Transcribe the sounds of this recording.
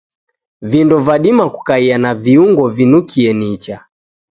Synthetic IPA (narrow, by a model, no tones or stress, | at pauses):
vindɔvaɗimaku̥kaianaviuŋɡɔvinukʰiɛnit͡ʃa